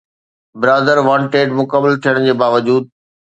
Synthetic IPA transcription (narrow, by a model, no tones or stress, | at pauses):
bɪɾaːd̪əɾʋãɳʈeːɖmʊkəməlt̪ʰijəɽ̃d͡ʑeːbaːʋəd͡ʑuːd̪̚